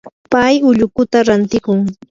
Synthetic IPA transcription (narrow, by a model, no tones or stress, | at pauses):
pajʊʎʊkʊt̪aɾant̪ɪkʊŋ